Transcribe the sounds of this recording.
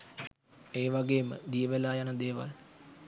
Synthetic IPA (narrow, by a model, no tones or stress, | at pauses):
eːʋaɡeːmə̰d̪ijəʋelaːjanəd̪eːʋa̰l